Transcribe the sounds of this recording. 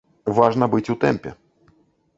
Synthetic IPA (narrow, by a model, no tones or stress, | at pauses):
vaʐnɐbɨt͡sʲut̪ɛmpʲɛ̰